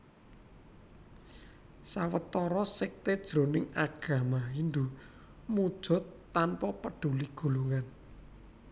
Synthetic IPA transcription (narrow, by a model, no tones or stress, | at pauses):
sawət̪ɔɾɔsɪk̚t̪ed̥ʒ̥ɾo̤nɪŋaɡ̥ä̤maind̪u | mud̥ʒ̥ɔ̤t̪ːanpɔpəɖ̥ṳliɡ̥o̤luŋan